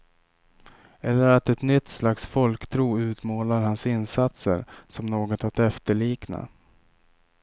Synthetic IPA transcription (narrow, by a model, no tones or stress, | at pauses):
ɛlːəɾat̪ɛt̪nʏt̪ːslaksfɔlkt̪ʰɾuːʉ̟ːt̪moːlaɾhansɪnsat̪sə̰ɾsɔmnoːɡɔt̪at̪ɛft̪əɭiːkna̰